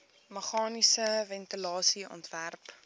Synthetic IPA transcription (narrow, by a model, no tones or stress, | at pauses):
məχɑːnisəvɛntilɑːsiɔ̰ntværp